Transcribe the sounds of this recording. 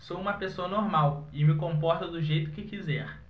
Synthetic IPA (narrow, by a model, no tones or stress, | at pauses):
sowũmɐpesoɐnoɾmawɪmɪkõpɔɾt̪ɐd̪ʊʒejt̪ʊ̥kɪkizɛɾ